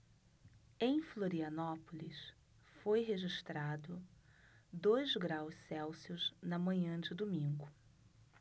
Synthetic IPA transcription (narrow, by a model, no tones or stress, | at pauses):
ẽj̃floɾiɐnɔpolis | fojɦeʒiʃt̪ɾad̪ʊ | d̪ojzɡɾawssɛwsiʊznɐmɐ̃ɲɐ̃d͡ʒɪd̪omĩɡʊ